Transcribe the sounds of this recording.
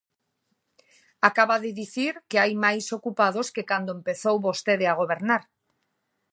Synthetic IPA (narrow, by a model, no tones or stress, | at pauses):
akaβaðeðiθiɾkeajmajsokupað̞oskekand̪oempeθowβost̪eðeaɣ̞oβ̞eɾnaɾ